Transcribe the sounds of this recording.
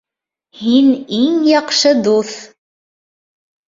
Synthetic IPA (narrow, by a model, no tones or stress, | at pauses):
hiniŋjɑqʃɤd̪uθ